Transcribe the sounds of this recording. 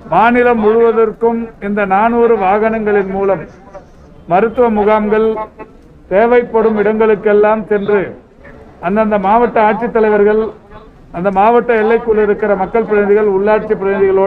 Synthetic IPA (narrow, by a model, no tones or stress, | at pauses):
maːnɪlɐmːʊɻʊʋɐðɐrkɯmɪnd̪ɐnaːnuːɾɯʋaːɣɐnɐŋɡɐɭɪnmuːlɐmː | ɐɾɯt̪ːɯʋɐmʊɣaːmɡɐɭ | t̪eːʋɐɪpːɐɽɯmɪɽɐŋɡɐɭɯkːɛlːaːmsɛndrɯ | ɐnd̪ɐnd̪ɐmaːʋɐʈːɐaːʈ̚t͡ʃɪt̪ːɐlɐɪʋɐɾɣɐɭ | ɐnd̪ɐmaːʋɐʈːɐɛlːɐɪkːɯɭːɪɾɯkːɪɾɐmɐkːɐɭpɪɾɐnɪðɪɣɐɭʊɭːaːʈ̚t͡ʃipːɪɾɐnɪðɪɣɐɭoː